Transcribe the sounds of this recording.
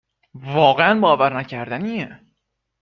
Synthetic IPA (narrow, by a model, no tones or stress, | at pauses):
vɒːɣeænbɒːvæɾnæcʰæɾd̪æniːe